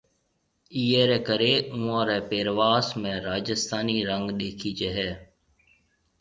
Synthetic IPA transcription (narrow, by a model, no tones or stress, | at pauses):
iːɦeːɾɛːkəɾeũːãːɾɛːpeːɾʋaːsmẽɾaːd͡ʒɪst̪ʰaːniɾə̃ŋɡɗeːkʰid͡ʒeɦɛː